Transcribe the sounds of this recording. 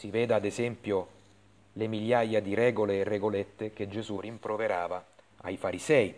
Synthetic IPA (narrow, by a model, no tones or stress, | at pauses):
sivɛːd̪ad̪ezɛmpjo | lemiljajad̪iɾɛːɡoleːrːeɡolet̪ːek̟ed͡ʒezurimpɾoveɾaːva | a̰jfaɾizɛːi